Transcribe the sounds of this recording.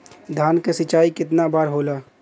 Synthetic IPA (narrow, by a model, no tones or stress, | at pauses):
d̪ʱaːnkesɪt͡ʃaːikɪt̪nabaːɾɦoːlaː